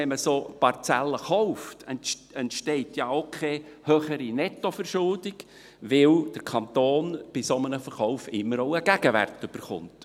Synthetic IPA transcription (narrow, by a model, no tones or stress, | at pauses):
ɛməsoːpɑrt͡sælːəχɔʊftɛ | ɛntʃtɛɪtjɑokʰχehøχəɾinɛtːofəɾʃʊldɪɡ̥ | ʋɪld̥əɾkʰɑnt̪oːnb̥ɪsomənəfəɾχɔʊfɪmːəɾoʊəɡ̥æɡ̥əʋæ̰rtʏb̥əɾχʊ̰nt